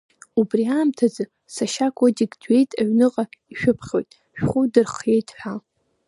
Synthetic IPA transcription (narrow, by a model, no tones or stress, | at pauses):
ubriaːmtʰazɨ | saʃakʷʰʼodiɡdɥe̞jtʼaɥnɨqʼakʼiʃᶣʊpʰχʲo̞jtʼ | ʃᶣχʷʊdɨrχje̞jtʼħʷᶣa